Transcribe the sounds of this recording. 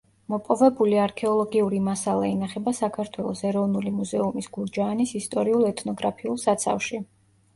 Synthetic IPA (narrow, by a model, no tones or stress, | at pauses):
mɔpʼɔvɛbuliaɾkʰɛɔlˠɔɡiuɾimasalˠa̰inaχɛbasakʰaɾt̪ʰwɛlˠɔsɛɾɔvnulimuzɛumisɡ̥uɾd͡ʒaːnisist̪ʼɔɾiulˠɛt̪ʰnɔɡɾapʰiulˠsat̪sʰa̰fʃi